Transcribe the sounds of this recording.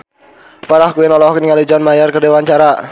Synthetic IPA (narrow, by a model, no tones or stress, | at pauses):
paɾahkuɛnɔlɔkniŋalid͡ʒɔnmajərkərdewaɲt͡ʃaɾa